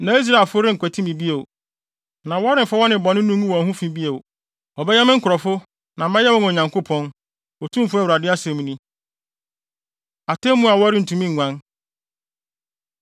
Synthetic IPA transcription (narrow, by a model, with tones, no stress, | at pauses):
nã˨i˦s̬ɾa˨fʊ˦ɾɪ̃˦ŋ̩˨kʷɛ˨tʰi˦mĩ˨bi˦e˨w | nã˨wɔ˦ɾɪ̃˨m̩˨fa˦wɔ˦nɪ̃˨bɔ̃˨nɪ̃˦ũ˦ũ˦wɔ̃˨ɦũ˦fĩ˦bi˦e˨w | ɔ˨bɛ˦jɛ˦mɪ̃˦ŋ̩˦kʰʊ˨ɾɔ˨fʊ˦ | nã˨mɛ̃˦jɛ˦wɔ̃˦no˨ɲã˨ŋko˦pʰɔ̃˦n | ɔ˨tʰũ˦m˦fʊ˦ɛ˦wu˨ɾa˨dɪ˦a˦sɛ˨mĩ˦nĩ˦ | a˨tʰɛ̃˦mũ˦a˨wɔ˦ɾɪ˦n̩˨tʰũ˦mĩ˦ŋ̩ːʷ˨ã˦n